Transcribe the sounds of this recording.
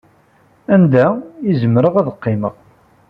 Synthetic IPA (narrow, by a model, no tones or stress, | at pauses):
ænd̪æjizəmɾəʁæðəqːɪmə̰ʁ